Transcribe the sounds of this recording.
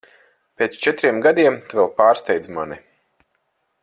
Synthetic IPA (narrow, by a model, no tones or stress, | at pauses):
pʲeːt̪st͡ʃɛt̪ɾiɛmɡad̪iɛmt̪avɛlˠpaːɾst̪ɛjd̪zmani